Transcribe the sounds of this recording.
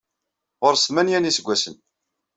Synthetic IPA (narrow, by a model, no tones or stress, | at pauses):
ʁoɾsmænjænisəɡʷːæsən